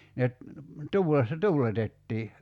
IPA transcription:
ne t tuːlesːɑ tuːletetːiː

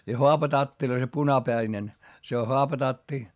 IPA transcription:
jɑ hoɑpɑtɑtːil̆ŏĭ se punɑpæinen se o hoɑpɑtɑtːi

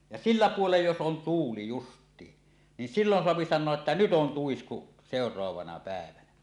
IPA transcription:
jɑ silːæ puolej jos on tuːli justˑiːn nin silːon soɑpi sɑnˑoɑʔ ʔetːæ nyt on tuisku seˑorˑoɑʋɑnɑ pæˑeʋænæ

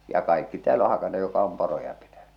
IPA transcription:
jɑ kɑikːi tæːl o hɑkɑnːe jokˑɑ om porojɑ pitæn̥ẙ

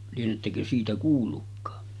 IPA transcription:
lienetːækø siːtæ kuːlːukːɑː

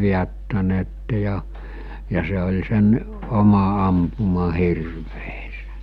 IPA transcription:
ʋiætːæneːtːe jɑ jɑ se olʲ sen omɑ ɑmpumɑ hirʋeːse̥

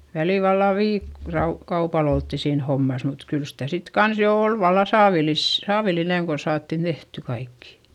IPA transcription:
ʋæliˑl ʋɑlːɑ ʋiːk rɑu kɑupɑl oltːi siːn homːɑs mut kyl sitæ sit kɑns jo oˑl ʋɑlːɑ sɑːʋilis sɑːʋilineŋ kon̞ sɑːtːin tehty kɑikːi̥

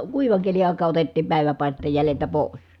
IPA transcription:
kuiʋɑŋ keli ɑˑikɑː otetːiːm pæˑi̯ʋæpɑˑisteːj jæleltæ poˑis

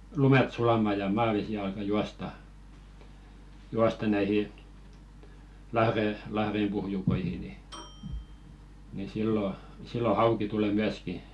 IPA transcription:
lumet sulɑmɑ jɑ mɑːʋesi ɑlkɑ juɑstɑ juɑstɑ næihi lɑhre lɑhrempuhjukoihi ni ni silːo silːo hɑuki tuleˑ myæski

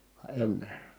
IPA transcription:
ʋɑ enːe

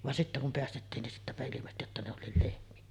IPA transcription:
ʋɑn sitːæ kum peæstetːiːn nin sitːæpæ ilimesty jotːɑ ne olˑiːl lehmiæ

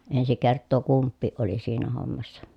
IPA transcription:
ensi kertːoː kumpːiːʔ ʔoli siːnæ homːɑsːɑ

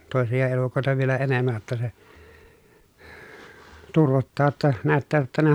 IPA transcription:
toˑesijɑ elukoˑetɑ ʋielæ enemːæj jotːɑ se turʋotːɑː tːɑ næːtːæː tːæ ne

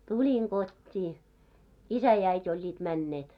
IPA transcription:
tulʲiŋ ɡ̊otʲːiː isæ jɑ æitʲ olʲːiːt mænːeːt

